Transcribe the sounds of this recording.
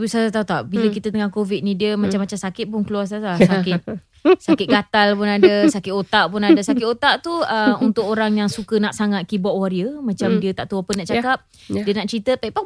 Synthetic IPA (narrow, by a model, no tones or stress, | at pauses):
isasat̪aut̪aʔbiləkit̪ət̪əŋaŋkovit̪̚nĩdiəmat͡ʃamːat͡ʃamsakɪt̪̚pʊnkəluars̬alasakɪt̪̚ | sakɪt̪̚ɡat̪alpʊnadəsakɪt̪ot̪aʔpʊnadəsakɪt̪ot̪aʔt̪uəunt̪ʊkoɾaŋjaŋsukənaʔsaŋat̪̚kibɔʔwaɾiəmãt͡ʃamdiət̪aʔt̪uapənaʔt͡ʃakap̚ | diənaʔt͡ʃɾit̪əpaipa